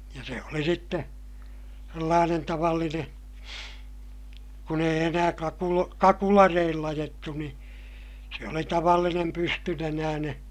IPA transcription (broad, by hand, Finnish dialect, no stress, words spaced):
jɑ se oli sitːe selːɑːnen tɑʋɑlːinen̞ kun eij enæː kɑkulo kɑkulɑreilː ɑjetːu ni se oli tɑʋɑlːinem pystynenæːneː